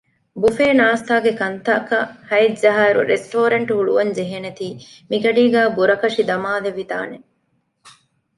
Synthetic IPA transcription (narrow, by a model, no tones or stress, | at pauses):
bufeːnaːst̪aːɡekɐnt̪ɐkɐhɐizɐɦaːɾṵɾesʈoːɾɐɳʈuɦuɭuʋɐnd͡ʒeɦenet̪iːmiɡɐɖiːɡæːbuɾɐkɐʂid̪ɐmaːleʋit̪a̰ːne